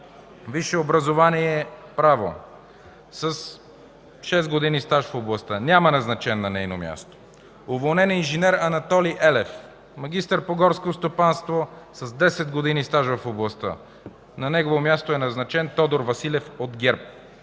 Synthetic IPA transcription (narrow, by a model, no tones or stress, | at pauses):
viʃɛobɾɐzovaniɛɛpɾavo̰ | sɐs | ʃɛzɡod̪inist̪aʃfoblˠɐst̪ənʲamɐnɐznɐt͡ʃɛnːɐnɛjnomja̰st̪o̥ | ovolˠnɛninʒinɛɾɐnɐt̪ɔliʔɛlɛf | mɐɡ̟ist̪əɾpoɡɔɾskost̪opanst̪vosɐzd̪ɛsɛd̪̚ɡod̪inist̪aʒvɐfoblˠɐst̪ə̰ | nɐnɛɡovomʲjast̪oɛnɐznɐt͡ʃɛnt̪ɔd̪oɾvɐsilʲɛfod̪ɡʲɛɾp̚